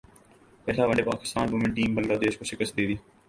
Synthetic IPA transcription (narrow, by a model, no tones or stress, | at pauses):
pɛːlaːʋəɳɖeːpa̰ːkɪ̥st̪aːnbʊmɪ̃ɳʈiːmbəlɡaːd̪eːʃkoːʃɪkəst̪̚d̪eːd̪iː